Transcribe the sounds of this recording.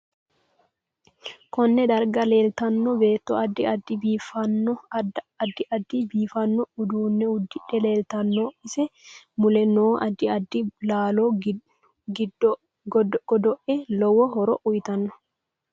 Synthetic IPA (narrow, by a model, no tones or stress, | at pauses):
kɔnːɛd̪ɐɾɡɐle̞ːlt̪ɐnːɔbe̞ːt̪ːɔɐd̪ːɪɐd̪ːɪbiːfɐnːɔɐd̪ːɪʔɐd̪ːɪbiːfɐnːɔʊd̪uːnːɛʊd̪ːɪᶑɛle̞ːlt̪ɐnːoːɪsɛmʊlɛnoːʔɐd̪ːɪɐd̪ːɪlaːloː | ɡɪd | ɡɔd̪ɔʔɛlɔwɔhɔɾɔʔʊjt̪ɐnːɔ̥